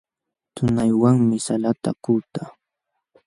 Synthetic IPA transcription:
t̪ʊnajwaŋmɪsalat̪a̰kuːt̪a

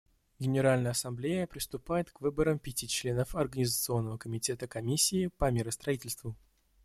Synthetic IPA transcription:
ɡʲɪnʲɪɾalʲnəjəɐsɐmblʲejəpɾʲɪst̪ʊpajɪt̪kvɨbəɾəmpʲɪtʲit͡ɕlʲe̞nəfɐrɡənʲɪzət̪sɨo̞nːəvəkəmʲɪtʲe̞t̪əkɐmʲisʲːɪːpəmʲeɾəst̪ɾɐitʲɪlʲst̪vʊ

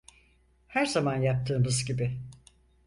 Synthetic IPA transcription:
hæɾzamanjap̚t̪ʰɯːmɯzɟibɪ

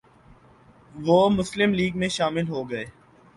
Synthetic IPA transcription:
ʋoːmʊslɪmliːɡmẽʃaːmɪlɦoːɡɐeː

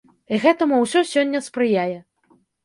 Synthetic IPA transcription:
iɣɛt̪ɐmuwsʲɔsʲɔnʲːɐspɾɨjajɛ

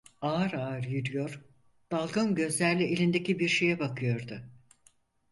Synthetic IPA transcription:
aːɾaːɾjɯɾɯjo̞ɾ̥ | d̪̥alˠɡanɟø̞zlʲæɾlʲielʲind̪ecibiɾʃe̞jɛbakʰɯjo̞ɾd̪ʊ

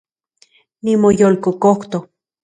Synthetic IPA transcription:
nimojolkokoht̪o

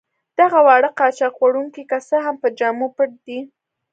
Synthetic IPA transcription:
d̪̥aɣawɑɽəqɑt͡ʃɑqwaɽuŋkikasaɦampəd͡ʒɑmupəɽd̪i

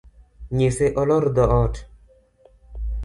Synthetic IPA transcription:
ɲeseʔɔlɔɾd̪ɔʔɔt

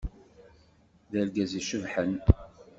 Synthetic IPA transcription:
ðælɡæziʃəvħən

